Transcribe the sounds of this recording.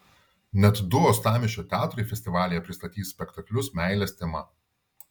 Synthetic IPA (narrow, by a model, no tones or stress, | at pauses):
nʲɛt̪d̪ʊɔːst̪ɑːmʲɪʃʲt͡ʃʲot̪ʲæːt̪ʊɾʲɪfʲɛsʲt̪ʲɪʋɑːlʲɪjɛpʲɾʲɪst̪ɐt̪ʲiːsʲpʲɛkt̪ɐklʲʊsmʲæɪlʲɛsʲt̪ʲɛmɐ